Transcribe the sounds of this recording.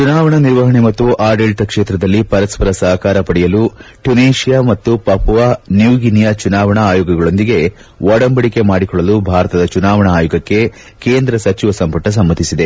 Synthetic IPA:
t͡ʃunaːʋɐɳɐniɾʋɐɦɐɳemɐt̪ːuʔaːɾɖeːlʈ̪ɐkʂeːt̪ɾɐd̪ɐlːipɐɾɐspɐɾɐsɐɦɐkaːɾɐpɐɽɛjɐluʈuneːʃijaːmɐt̪ːupɐpʋanjuɡinijɐt͡ʃunaːʋɐɳɐːjuːɡɐɡɐɭo̞nd̪iɡe̞ | ʋɔːɽɐmbɐɽike̞maːɽikɔɭːɐlubʱaːɾɐt̪ɐd̪ɐt͡ʃunaːʋɐɳɐaːjuɡɐkːe̞ | keːnd̪ɾɐsɐt͡ʃiʋɐsɐmpɐʈɐs̬ɐmːɐt̪isid̪e

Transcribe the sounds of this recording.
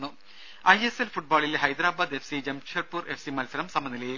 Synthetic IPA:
nːu | ɐjeselfuʈ̚baːɭileɦɐjd̪ɾaːbaːd̪efsid͡ʑɐmɕʰɐʈ̚puːre̞fsimɐlsɐɾɐmsɐmɐnːileji

